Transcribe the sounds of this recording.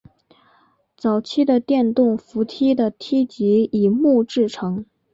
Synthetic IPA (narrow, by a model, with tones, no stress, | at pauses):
t͡sɑ˨˩ʊt͡ɕʰi˥d̪ə˨t̪jɛ˥˧nt̪ʊ˥˩ŋfu˧˥t̪ʰi˥d̪ə˨t̪ʰi˥t͡ɕi˧˥i˨˩mu˥˧ʈ͡ʂɻ̩˥˩ʈ͡ʂʰɤ˧˥ŋ